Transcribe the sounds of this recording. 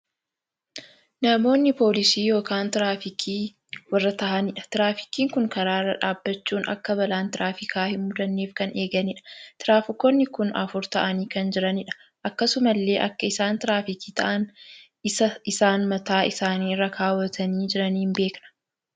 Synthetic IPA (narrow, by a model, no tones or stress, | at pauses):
nɐmo̞ːnːɪpo̞ːlɪsiːjo̞ːkaːnt̪ɪɾaːfɪkʰiː | wɐrːɐt̪ɐʔɐnɪᶑɐ̥t̪ɪɾaːfɪ̥kiːŋkʊŋkɐɾaːrːɐᶑaːbːɐt͡ʃːuːnɐ̰kːɐbɐlaːnt̪ɪɾʔaːfɪkʰaːhɪmmʊd̪ɐnːeːfkɐneːɡɐnɪᶑɐ̥t̪ɪɾaːfɪkːonːɪkʊnɐ̰fʊɾt̪ɐʔɐniːkɐnd͡ʒɪɾɐnɪᶑɐ̥ | ʔɐkːɐsʊmɐlːe̞ːʔɐkːɐɪsaːnt̪ɪɾaːfɪkiːt̪ɐ̰ʔɐn | ɪɐɪsaːnmɐt̪aːɪsaːniːrːɐkʰaːwɐt̪ʰɐniːd͡ʒɪɾɐniːɪnbe̞ːknɐ̥